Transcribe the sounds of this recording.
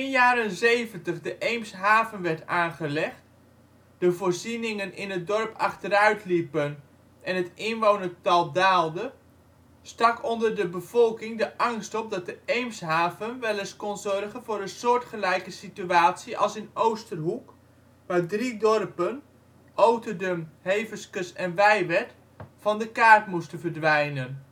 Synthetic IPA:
ɪnjaːɾənzejvəntəχdəʔejmsɦaːvənʋɛɹtaːnχəlɛχt | d̥əvoːrzinɪŋənɪnɦət̚dɔrpɑ̰χtəɾœɥtlipən | ʔɛnɦətɪnʋownətɑlˠdaːlˠdə | stɑkɔndərdəbəv̥ɔlˠkɪŋdəʔɑŋstɔp̚dɑt̚dəejmsɦaːvənʋɛlˠɪskɔnzɔrχənvʊːɾənsʊːɹtχəlɛjkəsityaːtsiʔɑ̰lˠsɪnowstərɦuk | ʋaːɹdridɔrpən | ʔowtədəmhejvəskəsɛnʋɛjʋɛt | fɑndəkaːrtmustənvərdʋɛjnən

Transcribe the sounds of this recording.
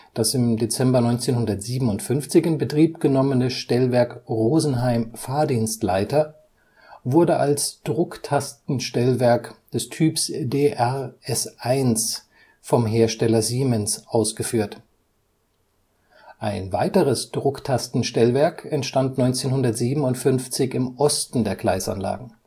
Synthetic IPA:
d̥asɪmdet͡sɛmbɐnɔʏnt͡seːnhʊndɐtz̥iːbm̩n̩ʊntfʏnft͡sɪçɪnbətʁ̥iːpɡ̥ənɔmənəʃtɛlvɛɐkʁoːzn̩ɦaɪmfaːɐdiːnstlaɪtɐ | vʊɐdəʔalsd̥ʁʊktʰastn̩ʃtɛlvɛɐkd̥ɛstʰyːpsdeːʔɛʁʔɛsʔaɪns | fɔmɦeːɐʃtɛlɐziːmɛnsʔaʊsɡ̥əfyːɐt | ʔaɪnvaɪtəʁəsd̥ʁʊktʰastn̩ʃtɛlvɛɐkʰɛntʃtantnɔʏnt͡seːnhʊndɐtz̥iːbm̩ʊntfʏnft͡sɪçɪmʔɔstn̩deːɐɡ̥laɪsa̰nla̰ːɡŋ̩

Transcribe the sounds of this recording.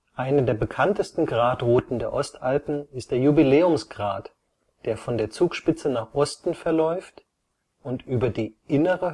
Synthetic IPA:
ʔaɪnədeːɐbəkʰantəstn̩ɡʁaːtʁoːtn̩deːɐʔɔstʔalpn̩ɪst̚d̥eːɐjubileːʊmsɡ̥ʁa̰ːt | d̥eːɐfɔndeːɐt͡suːkʃpɪt͡sənaːχʔɔstn̩fɛɐlɔʏft | ʊntʔyːbɐdiːʔɪnəʁə

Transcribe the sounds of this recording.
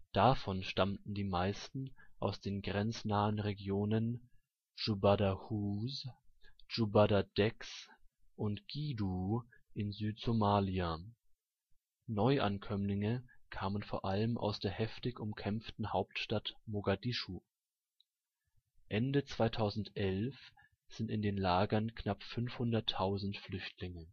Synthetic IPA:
d̥afɔnʃtamtn̩diːmaɪstn̩ʔaʊsd̥eːnɡʁɛnt͡snaːənʁeɡjoːnən | ʒubadahuːz | d͡ʒubadad̥ɛks | ʔʊntɡ̥iːdu | ʔɪnzyːtz̥omaːlia | nɔʏʔa̰nkʰœmlɪŋəkʰaːmənfoːɐʔaləmʔa̰ʊsd̥eːɐhɛftɪçʊmkʰɛmftn̩haʊp̚tʃtatmoɡadiʃu | ʔɛndət͡sv̥aɪtʰaʊzn̩tʔɛlf | z̥ɪntɪndeːnlaːɡɐnkʰnapfʏnfhʊndɐtʰːaʊzn̩tflʏçtʰlɪŋə

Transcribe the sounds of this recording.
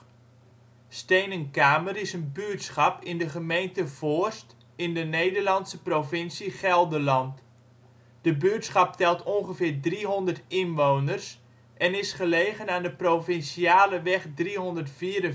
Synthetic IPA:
stejnənkaːmərɪsənbyətsχɑpɪndəχəmejntəv̥ost | ɪndənejdərlɑnsəprovɪnsiχɛlˠdəlɑnt | d̥əbyətsχɑp̚tɛlˠtʰɔŋχəvɪːɹdriɦɔndərtɪnʋownərs | ʔɛnɪsχəleːɣənaːndəprofɪnsiaːləʋɛχdriɦɔndətfiːɾə

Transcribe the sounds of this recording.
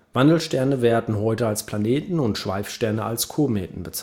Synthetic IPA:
v̥andl̩ʃtɛɐnəveːɐdn̩ɦɔʏtəalspʰl̥aneːtn̩ʊntʃv̥a̰ɪfʃtɛɐnəʔa̰lskʰoɐmḛːtn̩bət͡s

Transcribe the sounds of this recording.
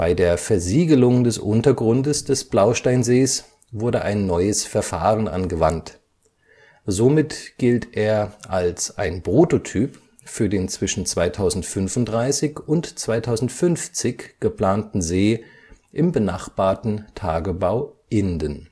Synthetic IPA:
b̥aɪdeːɐfɛɐziːɡəlʊŋdɛsʔʊ̰ntɐɡʁʊndəsd̥ɛsb̥laʊʃtaɪnzeːs | vʊɐdəʔa̰ɪnːɔʏəsfɛɐfaːʁənʔa̰nɡəvant | zomɪtɡ̥ɪltʰʔeːɐʔalsʔaɪnpʁ̥ototʰyːp | fyːɐdeːnt͡sv̥ɪʃn̩t͡sv̥aɪtʰaʊzn̩tfʏnfʊnt̚d̥ʁaɪsɪçʊntt͡sv̥aɪtʰaʊzn̩tfʏnft͡sɪçɡ̥əpl̥aːntn̩zeː | ʔɪmbənaχb̥aːɐtn̩tʰaːɡəbaʊʔɪndən

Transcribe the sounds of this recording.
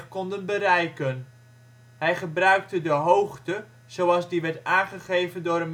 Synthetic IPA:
kɔndənbəɾɛjkən | ɦɛjχəbrœɥk̚tədəɦowχtə | z̥owɑlˠzdiʋɛɹtaːnχəχejvəndʊːɾən

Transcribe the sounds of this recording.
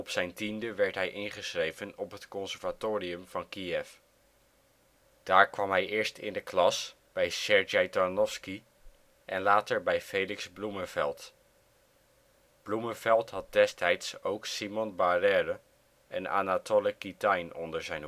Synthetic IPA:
ɔpsɛjntindəʋɛɹtɦɛjʔɪnχəsrejvənɔpɦətkɔnsɛɹvatoːriəmv̥ɑnkiɛf | d̥aːɹkʋɑmɦɛjʔɪːɹstɪ̰ndəklɑs | b̥ɛjsɛɹd͡ʒejtɔnɔfski | ʔɛnlaːtəɹbɛjfejlɪkzblumənvɛlˠt | b̥lumənvɛlˠtɦɑt̚dɛstɛjtsowksimɔnbarɛːrə | ʔɛna̰natʰoləkitɑjnɔ̰ndəɹzɛjn

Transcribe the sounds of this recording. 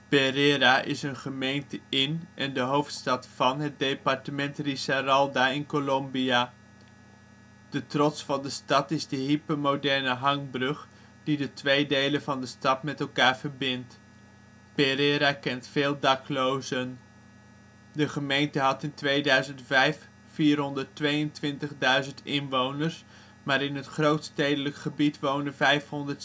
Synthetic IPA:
pereɾaːʔɪsənχəmejntəɪnʔɛndəɦowftstɑtfɑnɦəd̚dejpɑɹtəmɛntrisarɑlˠdaːɪnkolɔmbijaː | d̥ətrɔtsfɑndəstɑtɪzdəɦipəmowdɛɹnəɦɑŋbrɵχ | d̥idətʋejdejlənvɑndəstɑtmɛtɛlˠkaːɹv̥əɹbɪnt | pɪɾeɾakɛntfeːlˠdɑklowzən | dəχəmejntəɦɑtɪntʋejdœɥzəntfɛjfː | iːrɦɔndəɹtʋejəntʋɪntəχdœɥzəntɪnʋownəɹs | maːɾɪnɦətχrowtstejdələkχəbitʋownənvɛjfɦɔndət

